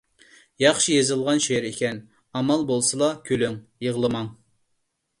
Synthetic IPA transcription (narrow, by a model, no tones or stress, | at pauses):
jɑχʃijezɨlˠʁɑnʃejɾekʲʰɛn | ɑmɑlˠbolˠsɨlˠɑkʲʰølyŋjeʁlˠɨmɑŋ